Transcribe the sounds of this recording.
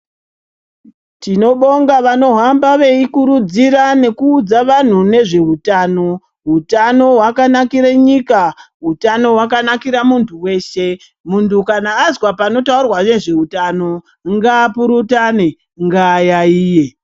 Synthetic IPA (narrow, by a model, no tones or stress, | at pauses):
tino̞ɓo̞ŋɡaʋano̞ɦambaʋe̞ikuɾud͡ziɾane̞kuːd͡zaʋan̤une̞ʐe̞ɦutaːno̞ | ɦutano̞ɦwakanakiɾeɲika | ɦutano̞ɦwakanakiɾamuntʰuwe̞ːʃe̞ | muntukanaːzwapano̞taurwane̞ʐe̞utano̞ | ŋɡaːpuɾutane | ŋɡajaiːje̞